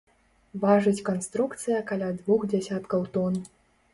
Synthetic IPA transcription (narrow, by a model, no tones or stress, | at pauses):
vaʐɨt͡sʲkanst̪ɾukt̪sɨjɐkalʲad̪vuxd͡zʲasʲat̪kɐwt̪ɔn